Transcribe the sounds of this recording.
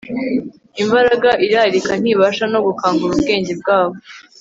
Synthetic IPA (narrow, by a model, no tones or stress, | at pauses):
imbaɾaɡaʔiɾaɾikan̥iːβaːʃano̞ɡukaːŋɡuɾubɡe̞ːɲɟe̞b̚ɡaːβo